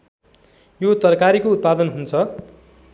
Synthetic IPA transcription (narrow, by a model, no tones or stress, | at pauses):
jot̪ʌrkaɾikout̪̚pad̪ʌnɦunt͡sʰʌ